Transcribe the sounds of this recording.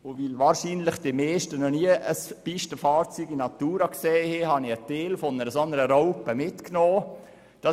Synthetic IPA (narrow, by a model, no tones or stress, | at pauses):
ʊʋɪlʋɑːɾʃiːnlɪχd̥ɪmɛːʃtənɔniəʔəspiʃtəfɑːɾt͡syːɡinɑt̪uːɾɑkseːhehɑniəteːlfɔnəɾəsɔnəɾəɾɔʊpəmɪtknɔː | d̥ɑ